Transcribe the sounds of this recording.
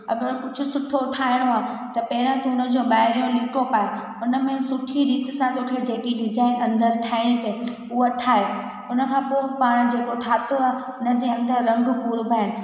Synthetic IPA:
ɐ̰ɡəɾpʊt͡ɕʰʊsʊʈʰoʊʈʰaːɪɽ̃oaːt̪ɐpɐːɪɾãt̪oʊnəd͡ʑõːbaːɦɪɾijõlɪkopaːe | ʊnə̆mẽsʊʈʰiɾiːt̪sãt̪okʰed͡ʑeːkiɖɪzaːɪnɐ̃nd̪əɾʈʰaːɪɽ̃it̪e | ʊɦoʈʰaːɦe | ʊnə̆kʰãːpoːɪpaːɽ̃d͡ʑeːkoʈʰaːt̪oaɦ | ʊnə̆d͡ʑeːɐ̃nd̪əɾːɐ̃ŋɡʱʊpuːɾbʱaːɪn

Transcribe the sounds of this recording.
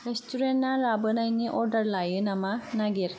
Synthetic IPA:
ɾestuɾennaɾabɯnajniʔɔɾɖɐɾlajɯnɐmanɐɡiɾ

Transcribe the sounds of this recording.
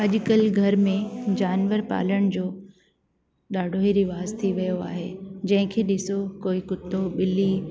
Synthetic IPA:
ɐʄʊkɐlɡʱɐɾmẽd͡ʑaːnʋəɾpa̰ːləɽ̃d͡ʑoː | ɗaːɖʱoɦiɾɪʋaːzt̪ʰiʋijoa̰ːɦeːd͡ʑɐ̃ɦɪ̃kʰeːɗɪsokoːikʊt̪ːoɓɪli

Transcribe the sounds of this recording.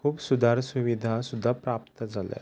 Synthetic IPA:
kʰuːbsʊd̪ʱaːɾsʊʋid̪ʱasʊd̪ʱapɾaːp̚t̪əd͡ʒəlḛ

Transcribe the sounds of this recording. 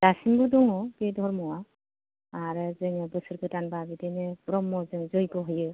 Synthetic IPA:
d̥asiŋbɯdɔŋɔbedʱɔɾmɔwa | aɾɯzɯŋɯbɯsɯɾɡɯtanbabidenɯpɾɔmːɔzɯŋzɔjɡɔɦɯjɯ

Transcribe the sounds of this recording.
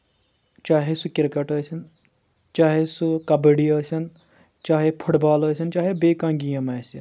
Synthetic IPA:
t͡ʃaːɦesukiɾkɐʈəːsin | t͡ʃaːɦesukɐbəɽiəːsʲɐn | t͡ʃaːɦepʰuʈbaːloːsint͡ʃaːɦebeːkãŋɡijɐmaːsin

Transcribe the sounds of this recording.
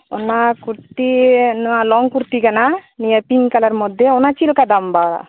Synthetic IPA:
ɔnːakuɾt̪inualɔŋkuɾt̪ikɐnanijapiŋkɐlɐɾmɔd̪eɔnat͡ʃilkad̪ambaːɽa̰

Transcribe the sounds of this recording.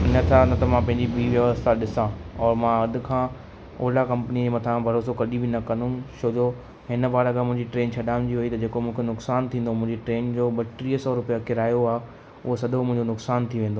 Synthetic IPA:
ɪnɐt̪ʰãnt̪ɐmãpɐ̃ɦɪ̃ɲd͡ʑibiːʋjɐʋəst̪ʰaɗɪsãɔːɾmãɐd̪ʊ̆kʰãː | o̰ːlakɐ̃mpənid͡ʑemɐt̪ʰãbʱɐɾoːsokɐɗibɪnɐkɐ̃nd̪ũʃoːdo | ɦɪnəbaːɾaɡamʊ̃ɦɪ̃ɲd͡ʑiʈɾeːnt͡ɕʰɐɗaːɪʊ̃nd͡ʑiɦuit̪ɐd͡ʑeːkomʊ̃ːkʰenʊksaːnt̪ʰĩːnd̪omʊ̃ɦɪ̃ɲd͡ʑeʈɾeːnd͡ʑoɓɐʈɾiːsɔːɾʊpijakɪɾaːjoaːɦe | ʊɦosɐd̪ʱomʊ̃ɦɪ̃ɲd͡ʑonʊksaːnt̪ʰiʋẽːnd̪oː

